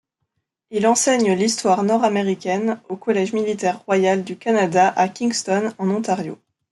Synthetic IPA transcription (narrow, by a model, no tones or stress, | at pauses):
ilɑ̃sɛɲəlist̪waʁnɔʁameʁikʲɛnokɔlɛʒmilit̪ɛʁːwajald̪ykanad̪aʔakʲiŋɡst̪ɔnɑ̃nɔ̃t̪aʁjo̰